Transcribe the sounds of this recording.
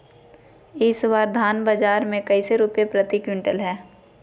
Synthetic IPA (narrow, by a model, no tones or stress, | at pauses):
ɪswaːɾd̪ʱaːnbəd͡ʒaːɾmẽkɐɪseɾʊpjepɾət̪ikwɪ̃ɳʈəlɦɛː